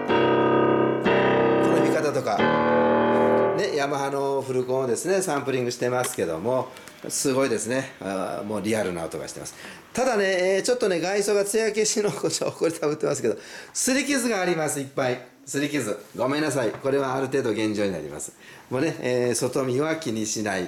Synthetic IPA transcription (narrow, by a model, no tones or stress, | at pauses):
t̪onomʲikat̪at̪o̞ka | ne̞jamaɦano̞ɸɯ̟ɾɯ̟kõ̞ːod̪esɨne̞sãmpɯ̟ɾʲĩŋɡɯ̟ɕi̥t̪e̞masɨ̥ke̞d̪o̞̰mo̞ | sɨɡo̞id̪e̞sɨne̞mo̞ːɾʲiaɾɯ̟na̰o̰t̪o̞ɡaɕi̥t̪ema̰sɨ̥ | t̪ad̪ane̞t͡ɕo̞t̪ːo̞ne̞ɡaiso̞ɡat͡sɨeakeɕinokot͡ɕokoɾit̪ʰabɯ̟t̪ːe̞masɨ̥ke̞d̪o̞sɨɾʲikʲizɨɡaːɾʲimasɨipːai | sɨɾʲikʲizɨɡo̞mẽ̞nːas̬aiko̞ɾe̞βaːɾɯ̟t̪̬e̞ːd̪oɡẽ̞ɲ̟d͡ʑo̞ːɲina̰ɾʲḭma̰sɨ̥ | mone̞ːso̞t̪o̞mʲiβakʲiɲ̟iɕinai